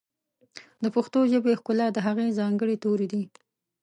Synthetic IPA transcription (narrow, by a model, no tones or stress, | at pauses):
d̪əpʊxt̪oʒəbexkʊlɑd̪əɦaɣezɑŋɡəɽet̪oɾed̪i